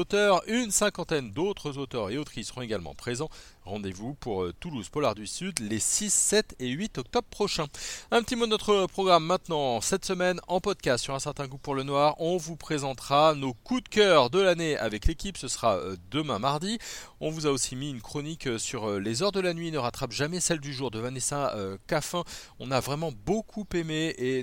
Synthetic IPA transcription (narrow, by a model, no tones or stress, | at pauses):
ot̪œʁynsɛ̃kɑ̃t̪ɛnd̪ot̪χəzot̪œʁeot̪χisəʁɔ̃eɡalmɑ̰̃pχezɑ̃ʁɑ̃d̪evupuʁt̪uluz̥pɔlaʁd̪isyd̪lesisːɛt̪eɥit̪ɔk̚t̪ɔbʁpχɔʃɛ̃ɛ̃pət̪imod̪ənɔt̪χəpχɔɡʁamːɛ̃t̪nɑ̃sɛt̪səmɛnɑ̃pɔd̪̚kʲast̪syʁɛ̃sɛʁt̪ɛ̃ɡupuʁlənwaːʁɔ̃vupχezɑ̃t̪χanokud̪kʲœʁd̪əlanea̰vɛklekʲipsəsʁad̪əmɛ̃maʁd̪iɔ̃vuzaosimiynkχɔnikøsyʁlezœʁd̪əlanɥienəʁat̪χapʒamɛsɛld̪yʒuʁd̪əvanesɛ̃økafɛ̃ | ɔ̃navʁɛmɑ̃bokʰupemee